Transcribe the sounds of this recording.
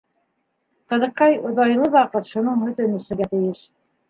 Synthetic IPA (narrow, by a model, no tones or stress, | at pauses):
qɤ̆ðɤ̆qːɑjŏðɑjlˠɤβɑqɤt̪ʃunɤɴhɵ̆t̪ɘ̆nɘ̆ʃɘ̆ɡæt̪ɘ̆jɘʃ